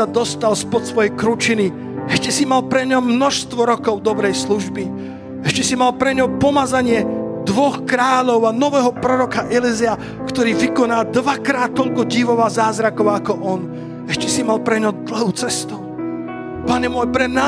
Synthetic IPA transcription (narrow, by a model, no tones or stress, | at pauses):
ad̪ɔst̪alspɔt̪sʋɔjɛjkɾut͡ʃini | ɛʃcɛsimalpɾɛɲɔmmːnɔʃst̪ʋɔɾɔkɔʊd̪ɔbɾɛjsluʒbi | ɛʃcɛsimalpɾɛɲɔpɔmazaɲɪɛd̪ʋɔxkɾaːʎɔʊanɔʋɛɦɔpɾɔɾɔkaʔɛlizia | kt̪ɔɾiːʋikɔnaːd̪ʋakɾaːt̪ːɔʎkɔɟiʋɔʋazaːzɾakɔʊakɔʔɔn | ɛʃcɛsimalpɾɛɲɔd̪l̩ɦut͡sɛst̪u | paɲɛmʊɔjpɾɛmna